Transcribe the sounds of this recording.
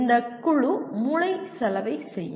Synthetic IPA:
nd̪ɐkːʊɻumʊɻɐɪsɐlɐʋɐɪsɛjː

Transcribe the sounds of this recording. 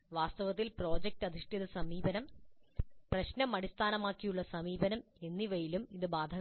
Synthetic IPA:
ʋaːst̪ɐʋɐt̪ːilpro̞ːd͡ʑek̚ʈɐd̪ʱiʂʈiðɐsɐmiːbɐnɐm | prɐɕnɐmɐɽist̪ʰaːnɐmaːkːijuɭːɐsɐmiːbɐnɐm | e̞nːiʋɐjilumiðɨbaːd̪ʱɐ

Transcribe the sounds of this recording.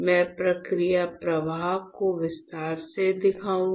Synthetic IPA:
mɛ̃ːpɾɐkɾijapɾɐʋaːɦkoʋɪst̪aːɾsed̪ɪkʰaːũ

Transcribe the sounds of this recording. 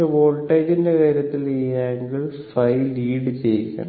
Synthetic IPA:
eʋoːlʈːɐjtindekɐːɾjɐt̪ːilejaːŋɡiɭfɐjliːɽɨt͡ɕejkːɐ̰

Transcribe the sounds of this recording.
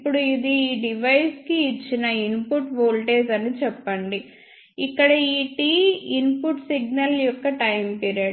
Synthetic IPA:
pːuɽuid̪iːɖiʋɐjskiːt͡ʃːinɐinpuʈʋoːlʈeːsɐnit͡ʃɛpːɐɳɖi | ikːɐɽɐiːʈiːinpuʈsiɡ̚nɐljɔkːɐʈɐjmpiːɾjaɽ

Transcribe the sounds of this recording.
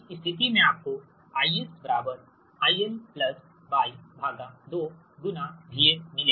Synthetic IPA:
ist̪ʰɪt̪̬imẽaːp̚ko | aːiesbəɾaːbəɾ | aːielplɐs | baːibʱaːɡãd̪oː | ɡʊnabʱiemɪleː

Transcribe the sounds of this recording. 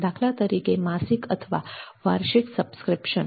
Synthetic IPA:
d̪akʰlat̪əɾikemasikət̪ʰʋa̰ʋaɾɕiksəbskɾipɕən

